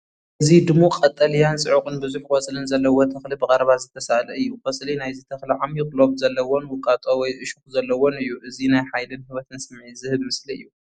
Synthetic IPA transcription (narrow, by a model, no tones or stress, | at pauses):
ʔɨzid̪ɨmuqʼɐt̪ʼːɐlijansʼɨʕukʼɨnbɨzuħwɔt͡sʼlɨnzɐlːɐwot̪ʰɐxlibɨkʼɐɾɐβazɨt̪ʰɐsalɐɨjːuwɐsʼlinajzit̪ʰɐxliʕamjɪklo̞bzɐlːɐwonwʊkʼːat̪ʼowɔjʔɨʃuxzɐlːɐwo̞nɨjːuʔɨzinajħajlɨnhɨβɐt̪ʰɨnsɨmʕizɨhɨβmɨsliɨ̰jːu